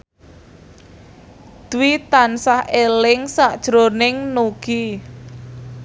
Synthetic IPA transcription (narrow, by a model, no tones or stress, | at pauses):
d̪̥wit̪ansahʔelɪŋsaʔd̥ʒ̥ɾonɪŋnuɡ̥i